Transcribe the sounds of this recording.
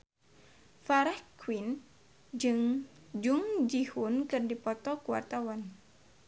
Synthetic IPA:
faɾahkwin | d͡ʒɨŋ | d͡ʒuŋd͡ʒihunkɨrdipɔt̪ɔkuwa̰rt̪awan

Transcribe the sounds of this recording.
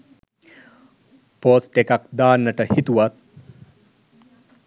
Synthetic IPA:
poːsʈekakd̪aːnːəʈəhit̪uʋat̪̚

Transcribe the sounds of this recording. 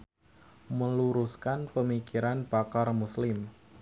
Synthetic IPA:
məluɾuskanpəmikiɾanb̥akarmuslɪm

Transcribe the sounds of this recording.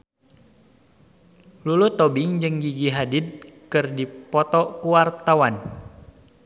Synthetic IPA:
lulut̪ɔbɪŋd͡ʒɨŋɡiɡiɦadɪd̪̚kɨrdipɔt̪ɔkuwart̪awan

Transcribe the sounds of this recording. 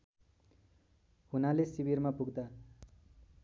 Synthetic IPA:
hunalesibiɾmapuɡd̪a

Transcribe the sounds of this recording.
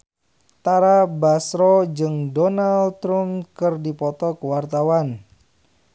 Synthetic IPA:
t̪aɾabasɾɔd͡ʒɨŋdɔnalt̪ɾumkərdipɔt̪ɔkəwart̪awan

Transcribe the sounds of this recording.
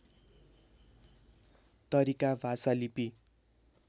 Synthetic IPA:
t̪ʌɾikabʱasalipi

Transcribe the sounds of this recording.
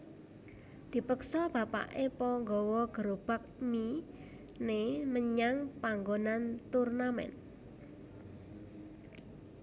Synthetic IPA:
d̪̥i̤pəksɔb̥a̤pa̰ʔepɔŋɡɔwɔɡ̥əɾob̥a̤k̚mi | neməɲaŋpaŋɡonant̪urnamɛ̰n

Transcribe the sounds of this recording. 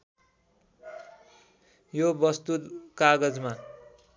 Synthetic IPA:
jobʌst̪ut̪kaɡʌd͡zma

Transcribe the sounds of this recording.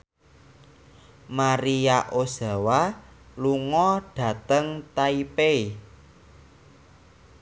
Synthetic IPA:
maɾijaʔoza̤wa | luŋɔɖ̥ä̤t̪əŋt̪aipei

